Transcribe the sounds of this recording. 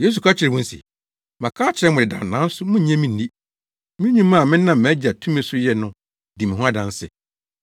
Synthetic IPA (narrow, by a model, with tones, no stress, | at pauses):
je˦s̬u˨kʰa˦t͡ɕʰɪ˨ɾɛ˨wʊ̃˦n̩˦sḭ˨ | mã˨kʰaː˦t͡ɕʰɪ˨ɾɛ˦mʊ̃˨ɪ˨dã̰˨nã˦n̩˦sʊ˦mʊ̃˦ɲ̩˦ɲɛ̃˦mĩ˨n̩ː˨ĩ˦ | mɪ̃˦ɲĩ˦mã˦˨mɪ̃˦nã˦˨m̩˨mæ̃˨˦d͡ʑa˨tʰũ˦mĩ˦sʊ˦jɛ˨nʊ̃˦ | di˨mɪ̃˨ɦʊ̃˦a˦dã˨n˦sɪ̰˨